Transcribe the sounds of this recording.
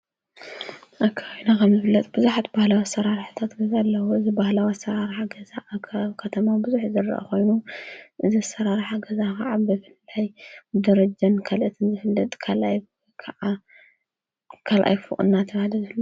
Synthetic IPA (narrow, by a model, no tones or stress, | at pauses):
ʔakʰainakʰɐmzɨfɨlːɐt̪ʼbɨzuħat̪bahlawasɐɾaɾħt̪ʰat̪ɡɐzalːɐwuɨzibahlawasɐɾaɾħaɡɐzaʔkʰaβkʰɐt̪ʰɐmabɨzuħzɨɾɐ̰ʔa̰ko̞jnuʔɨzisɐɾaɾħaɡɐzakɐʕabɨfɨlːajd̪ɐɾɐd͡ʒankʰalʔɨt̪ʰɨnzɨfɨlːɐt̪ʼkʰalʔaj | kʰɐʕa | kʰalʔa̰jfɨ̰χʼɨ̰nːat̪ʰɐβhad̪ɐzɨlːo